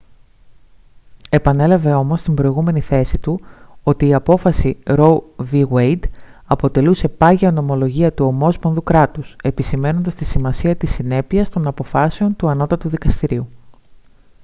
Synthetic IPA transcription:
e̞pɐne̞lɐve̞o̞mo̞st̪imbɾo̞iɣume̞niθe̞sit̪uo̞t̪iːɐpo̞fɐsiɾo̞viɣwejd̪ɐpo̞t̪e̞luse̞pɐʝeɐno̞mo̞lo̞ʝiɐt̪uo̞mo̞sponðukɾɐt̪use̞pisime̞no̞nd̪ɐst̪isimɐsiɐt̪isine̞piɐst̪o̞nɐpo̞fɐseo̞nt̪uɐno̞t̪ɐt̪uðikɐst̪iɾiu

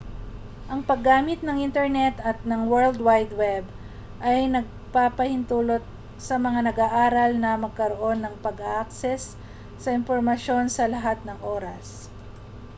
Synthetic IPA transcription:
ʔɐŋpɐɡːaːmɪt̪̚nɐŋʔɪnt̪ɛɹnɛt̪ɐt̪̚nɐŋwɛɹld̪wajd̪wɛb | ʔɐjnɐɡ̚ | paːpɐhɪnt̪uːlo̞t̪̚ | sɐmɐŋanɐɡaːʔaːɾɐlnɐmɐɡ̚kɐɾoʔo̞nːɐŋpɐɡaʔk̚sɛsː | ɐɪnpoɾmɐʃo̞nsɐlɐɦat̪̚nɐŋʔo̞ːɾɐs

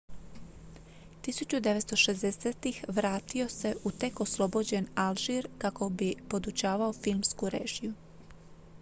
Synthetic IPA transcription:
t̪isut͡ɕud̪e̞ʋest̪oʃezd̪eseːt̪ixʋɾaːt̪io̞se̞ʔut̪e̞koslˠo̞bod͡ʑe̞nalʒiɾkako̞bipo̞d̪ut͡ɕaːʋaofilˠmskuɾḛːʒiju

